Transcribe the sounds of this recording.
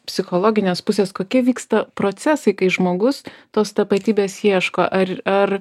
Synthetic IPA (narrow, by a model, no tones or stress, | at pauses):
pʲsʲɪxoːlˠoːɡʲɪnʲeːspʊsʲeːskoːkʲiɛʋʲiːkst̪ɐpɾoːt̪sʲæsɐɪkɐɪʒmoːɡʊst̪oːst̪ɐpɐt̪ʲiːbʲeːsjiɛʃkoːʔɐɾɐr